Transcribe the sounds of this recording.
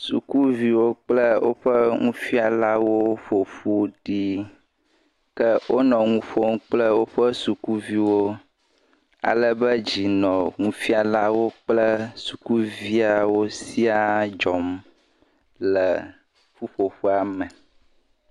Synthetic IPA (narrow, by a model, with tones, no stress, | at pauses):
sṵ˨ku˦vi˨wo˦k͡plə˦wo˦ɸə˦ŋũ˦fi˦a˨la˦wo˦ɸo˨ɸu˦ɖi˦ | kə˦wʔo˦nɔ̃˨ŋũ˦ɸo˦ŋ̃˦k͡plə˦wo˦ɸə˦su˨ku˦vi˦wo˦ | a̰˨lə˦bə˦d͡ʑi˨nɔ̃˨ŋũ˦fi˦a˨la˦wo˦k͡plə˦su˨ku˦vi˦a˨wo˦si˦a˦d͡ʒɔ˨m | lə˨ | fu˦ɸo˨ɸu˦a˨mə˨